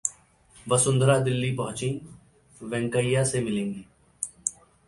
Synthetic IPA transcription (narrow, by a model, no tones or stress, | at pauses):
ʋəsʊnd̪ʱɾaːd̪ɪlːiːpəɦʊ̃t͡ʃĩː | ʋɛ̃ːŋkəijaːsemɪlẽːŋɡiː